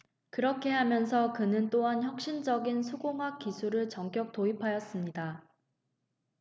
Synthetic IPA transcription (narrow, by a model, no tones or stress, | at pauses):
kɯɾʌkʰe̞ɦamjʌnsʰʌkɯnɯnt͈oɦançjʌk̚ɕ͈ind͡ʑʌɡinsʰuɡoŋɦwak͈ːisʰuɾɯɭt͡ɕʌŋk͈jʌk̚toipʰajʌs͈ɯmɲida